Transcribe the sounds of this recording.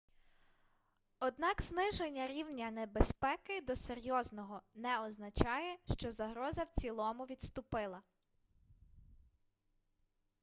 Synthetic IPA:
ɔd̪nɑkznɪʒenʲːɐɾʲiwnʲɐnebespɛkɪd̪ɔseɾʲjɔznɔɦɔnɛɔznɐt͡ʃɑjɛʃt͡ʃɔzɐɦɾɔzɐwt͡sʲilˠɔmʊʋʲid̪st̪ʊpɪlˠɐ

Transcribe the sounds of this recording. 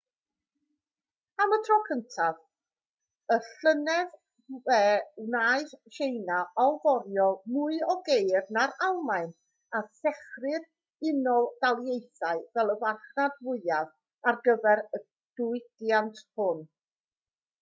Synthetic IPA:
amətʰrɔkʰəntʰav | əɬənɛð | vɛwnaɨðʃejnaɔlˠvɔɾjɔmʊɨɔɡejrnaɾalˠmaɨn | asɛχrɪð | ɪnɔdalˠjejθaɨvɛlˠəwarχnadvʊɨað | arɡəvɛɾə | d̥ʊɨd̥jantʰhʊn

